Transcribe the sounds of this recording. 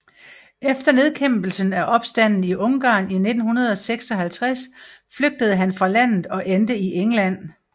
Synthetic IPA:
efd̥ɐne̝ð̞ˠkʰemb̥l̩sənæʔɒ̽b̥sd̥æn̰n̩iʔɔ̽ŋɡ̥ɑ̰̈ːnine̝d̥n̩hunɐð̞ˠɒ̽seɡ̥sɒ̽ɦælt͡sʰʁasfløɡ̥̚d̥əð̞̩ˠəɦænfʁɑ̈læn̰ð̩ˠɒ̽ʔend̥əiʔeŋlæn̰

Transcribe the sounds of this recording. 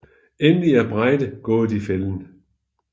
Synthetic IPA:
enliæb̥ʁaɪd̥əɡ̥ɔ̽ːd̥ifeln

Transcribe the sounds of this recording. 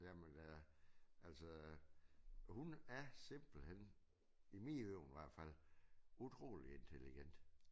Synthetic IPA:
jæmen | ʔælsɒ | hunæɐse̝mb̥l̩hen̰ | imiøʊ̰nʋæɐ̰d̥fæl̰ut͡sʰʁo̝̰ːlie̝nt͡sʰeliɡ̥en̰d̥

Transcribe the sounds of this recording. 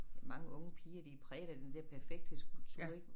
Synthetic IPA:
mɑ̈ŋəʔɔ̽ŋəpʰiːɐd̥ipʰʁɛːɾ̥ɐd̥end̥ɛɐpʰæɐfeɡ̥̚d̥əsɡ̥ut͡sʰy̰eɡ̥

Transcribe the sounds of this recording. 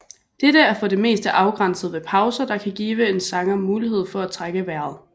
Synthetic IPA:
d̥eɾəæɐfɔ̽de̝me̝̰ːsd̥əʔɑ̈ʊɡ̥ʁɑn̰səð̞̩ˠʋe̝pʰɑ̈ʊsɐd̥ɑ̈kʰæɡ̥iːʋəe̝nsɑ̈ŋɐmuːliɦe̝ð̞̰ˠfɒ̽æt͡sʰʁaɡ̥əʋæɐ̰ð̩ˠ

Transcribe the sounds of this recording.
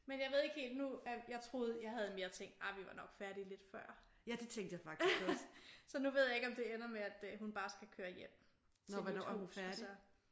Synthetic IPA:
menjɑ̈ɪʋe̝ð̞̰ˠe̝ɡ̥hḛːld̥nuæjɑ̈ɪt͡sʰʁo̝ːð̩ˠjɑ̈ɪɦæð̞̩ˠme̝ːɐt͡sʰeŋ̰ɡd̥ɑ̈ɪʋiʋɑ̈nɒ̽ɡ̥fæɐɾ̥ile̝d̥fɶɐ̰ | jæd̥e̝t͡sʰeŋ̰d̥jafɑ̈ɡ̥dɡ̥ɒssɒ̽nuʋe̝ð̰ˠjɑ̈eɡ̥ɒmd̥e̝enɐmeæd̥ɦunb̥ɑ̈ːsɡ̥ækʰøːɐjem̰ | nɒʋænɔ̰æɐhufæɐdsiɐ

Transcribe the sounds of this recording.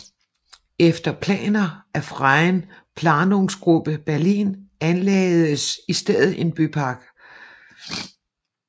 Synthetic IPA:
efd̥ɐpʰlɛ̰ːnɐʔæfʁɑɪnpʰlɑ̈ːnoŋsɡ̥ʁub̥əb̥æɐlḭːnænlɛːð̩ˠəsisd̥eð̰ˠð̩ˠʔe̝nb̥ypʰɑ̈ɡ̥

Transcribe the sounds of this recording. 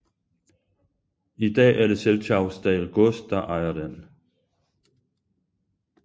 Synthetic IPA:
id̥ɛ̰ːæɐɾe̝selt͡sʰɑ̈ʊsd̥ɛ̰lɡ̥ɔsd̚d̥ɑʔɑ̈ɪɐden

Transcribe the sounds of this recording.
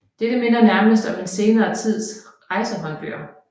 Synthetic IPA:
d̥ed̥əme̝n̰ɐnæɐməs̬d̥ɒ̽me̝nse̝ːnɐːt͡sʰið̞̰ˠs | ʁɑ̈ɪsəɦɒ̽nb̥y̰ɐ̰

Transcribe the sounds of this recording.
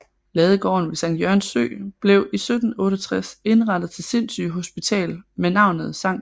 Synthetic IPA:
lɛːð̞ˠəɡ̥ɒ̰ːnʋe̝sɑ̈ŋd̥jœɐ̰nsø̰ːb̥le̝ʊʔisød̥n̩ɔ̽ːɾ̥ɒt͡sʰʁase̝nʁɑ̈d̥ð̩ˠt͡sʰe̝lse̝n̰sy̰ɦo̝sb̥it͡sʰɛ̰ːlmenɑ̈ʊ̰nəð̩ˠsɑ̈ŋ̰

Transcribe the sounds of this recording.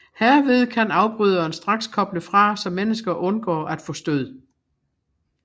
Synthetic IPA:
heɐ̰ʋe̝ð̞ˠkʰænɑ̈ʊb̥ʁyð̞ˠɐːnsd̥ʁɑ̈ɡ̥skʰɒ̽b̥ləfʁɑ̈sɒ̽mːenəsɡ̥ɐʔɔ̽nɡ̥ɒ̰ːʔæd̥fɔ̽ːsd̥øð̞̰ˠ

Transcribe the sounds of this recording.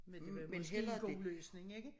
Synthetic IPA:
me̥menɦel̰ɐɡ̥løːsne̝ŋeɡ̥ə

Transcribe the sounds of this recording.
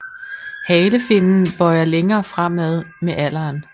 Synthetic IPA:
hɛːləfe̝nn̩b̥ɒɪɐleŋɐːfʁam̰æðˠmeʔæl̰ɐːn

